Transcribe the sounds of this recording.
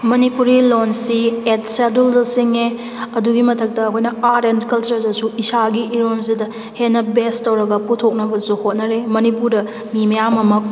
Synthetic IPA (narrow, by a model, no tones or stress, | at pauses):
mɐnipuɾilonsiet̚seduldɐsiŋe | ɐduɡimɐtʰɐk̚tɐːkʰojnɐaɾendkɐlt͡ʃɐɾdɐsuisaɡiiɾons̬idɐ | henːɐbestːɐwɾɐɡɐputʰok̚nɐbɐsuhot̚nɐɾemɐnipuɾdɐ | mimɐjamɐmɐk̚